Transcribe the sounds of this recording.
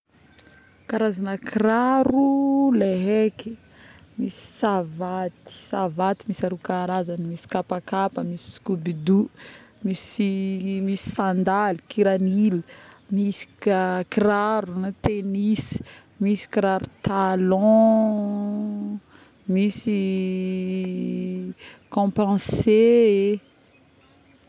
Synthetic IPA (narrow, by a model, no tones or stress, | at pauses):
kaɾazanəkiraɾuleɦeki̥ | misi̥savat̪i̥savat̪imisaɾukaɾazanəmisi̥kapakapəmisi̥si̥kubid̪umisimisi̥sãnd̪alikiɾaniləmisi̥kakiraɾunt̪enis | misi̥kiɾaɾut̪alɔ̃ | misi | kɔ̃pɑ̃see